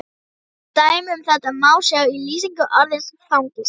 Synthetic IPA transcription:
t̪aːjmʏmθɛt̪aðmaːwsjaɣiliːsiŋkʏʔaɾðɪnsfawnt̪ɪs

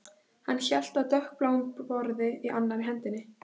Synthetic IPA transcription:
hanːçɛl̥t̪aðt̪œhk̚plaːwmpvɔɾðɪiʔanːaɾɦɛnt̪ɪnːɪ

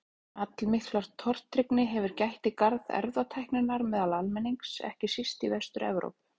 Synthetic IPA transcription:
at̪lmɪht̪laɾ̥t̪ʰːɔr̥t̪ʰːɾɪknɪɦɛvʏɾcajht̪ikaɾðɛ̰ɾvðat̪ʰɛjhknʏnːaɾmɛːðalalmɛniŋksɛ̰hcɪsist̪ivɛst̪ʏɾɛvɾo̰wpʏ̥

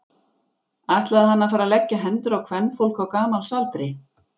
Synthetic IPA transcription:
ajht̪laðhanːaðfaːɾalɛcːaɦɛnt̪ʏɾawkʰvɛnːfowl̥kawkaːmalsalt̪ɾɪ

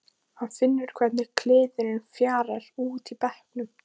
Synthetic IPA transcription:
hanfɪnːʏɾ̥kʰvɛt̪nɪkʰlɪːðʏɾɪnfjaːɾɛɾ̥uːt̪ipɛhknʏm

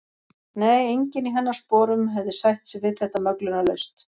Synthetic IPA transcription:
neːjejɲcɪniɦɛnːḁspɔːɾʏmɦɛvðɪsajht̪sɛvɪðθɛht̪amœklʏnalœ̰ɥst̪

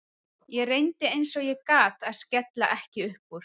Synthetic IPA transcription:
jɛrejnt̪ɪejnsɔɣjɛkaːt̪aðscɛt̪la̰ʔɛhcɪʏhpuɾ̥

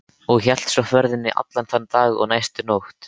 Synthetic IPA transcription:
ɔɣçɛl̥t̪sɔfvœɾðɪnːɪʔa̰t̪lanθant̪aːɣɔ̰ɣnaːjst̪ʏnowht̪

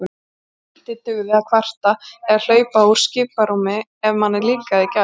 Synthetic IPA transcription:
t̪ɪt̪ːʏɣʏvɪakʰvar̥t̪aɛɾl̥œːɥpau̥scɪːpaɾumɪɛvmanːɛɾliːkaðɪca

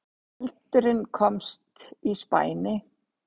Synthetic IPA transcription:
ɛlt̪ʏɾɪnkʰɔmst̪ispa̰ːjnɪ

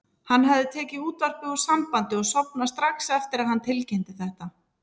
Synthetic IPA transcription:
hanːɦavðɪt̪ʰɛːcɪuːt̪var̥pɪuɾ̥sampant̪ɪɔɣsɔpnast̪ɾaxsɛft̪ɪɾaðhant̪ʰɪlcɛjnt̪ɪθɛht̪a

